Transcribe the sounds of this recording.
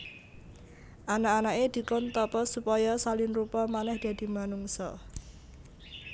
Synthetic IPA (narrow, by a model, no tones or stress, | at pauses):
ʔanaːnaʔed̪̥i̤kɔnt̪ɔpɔsupɔjɔsalɪnrupɔmanɛhd̪̥ä̤d̪̥i̤manuŋsɔ